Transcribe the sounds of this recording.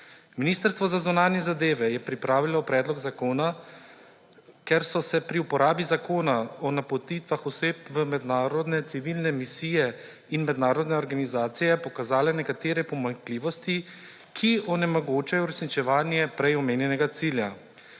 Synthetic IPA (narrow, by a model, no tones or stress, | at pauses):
miniːst̪əɾst̪ʋɔzazunaːnjɛzad̪eːʋɛjɛpɾipɾaːʋilɔpɾɛːd̪lɔɡzakoːna | kɛɾsɔsɛpɾiupɔɾaːbizakoːnaɔnapɔt̪it̪ʋaxɔseːpʋəmɛd̪naːɾɔd̪nɛt̪siʋilnɛmisiːjɛ | inmɛd̪naːɾɔd̪nɛɔɾɡanizaːt̪sijɛpɔkazaːlɛnɛkat̪eːɾɛpɔmaŋkliːʋɔst̪i | kʰiɔnɛmɔɡoːt͡ʃajɔuɾɛsnit͡ʃɛʋaːnjɛpɾɛjɔmeːnjɛnɛɡat̪siːlja